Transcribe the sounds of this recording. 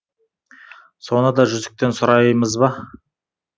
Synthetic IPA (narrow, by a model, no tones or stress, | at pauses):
so̞nəd̪ɑʒʏzd̪ɪk̚t̪e̞nsʊɾɑjməzbɑ